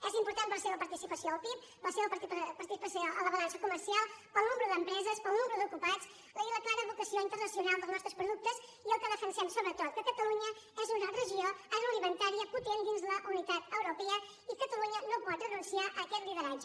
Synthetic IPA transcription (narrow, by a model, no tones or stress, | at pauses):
ɛzimpuɾt̪ampəlˠseβəpəɾt̪isipəsioəlˠpip̚ | pəlˠseβəp̪pəɾt̪isipəsoələβəlansəkuməɾsialˠpəlˠnuməɾuðəmpɾɛzəspəlˠnuməɾuðukupat͡s | iləklaɾəβuk̪əsioint̪ərnəsiunalˠd̪əlˠznɔst̪ɾəspɾuðuk̚t̪əz | iəlˠkəðəfənsɛmsoβɾət̪ot̪̚kəkət̪əluɲə | ɛzunərəʒioəɾulimənt̪aɾiəput̪end̪inzðələʔunit̪at̪əwɾupɛə | ikət̪əluɲənopɔt̪rənunsiaʔəkɛt̪liβəɾad͡ʒ